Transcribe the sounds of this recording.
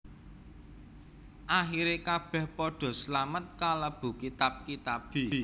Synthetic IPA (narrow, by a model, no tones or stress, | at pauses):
ʔaxiɾekab̥ɛ̤hpɔɖ̥ɔ̤slamət̪̚kaləb̥ṳkit̪ap̚kit̪ab̥i